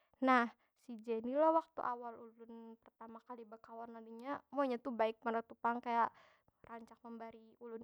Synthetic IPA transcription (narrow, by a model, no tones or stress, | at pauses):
nah | sid͡ʒenilɔwak̚t̪ṵʔawalulʊnpərt̪amakalibəkawanladuɲamuaɲat̪ubaɪk̚maɾat̪upaŋkajaʔ | raɲt͡ʃak̚məmbaɾiulʊn